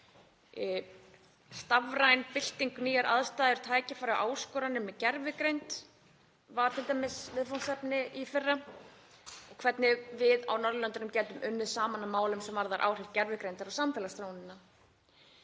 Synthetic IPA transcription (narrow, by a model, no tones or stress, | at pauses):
st̪avɾajnpɪl̥t̪iŋkniːjaɾʔaðst̪aːðʏɾ̥t̪ʰaːjcɪfaːɾaʔaːwskɔːɾanʏmːɛcɛɾvɪkɾejnt̪ | vaɾ̥t̪ʰɪlt̪ajmɛsvɪðfɔnsɛpnɪifɪrːa | ɔɣkʰvɛt̪nɪvɪða̰wnɔɾðʏlœnt̪ʏnʏmcɛːt̪ʏmʔʏnːɪðsaːmanːamaːwlʏmsɛmvaɾðaɾʔa̰ːwr̥ɪɾt̪̚cɛɾvɪkɾejnt̪aɾawsamt̪ʰɛlast̪ɾownɪnːa